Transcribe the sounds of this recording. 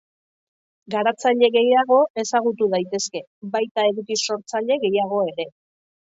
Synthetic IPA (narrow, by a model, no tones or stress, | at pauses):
ɡaɾat͡saʎe̞ɣe̞jaɣ̞o̞e̞saɣ̞ut̪uðajt̪e̞ske̞ | bajt̪ae̞ɾukiso̞ɾt͡saʎe̞ɣe̞jaɣ̞o̞e̞ɾe̞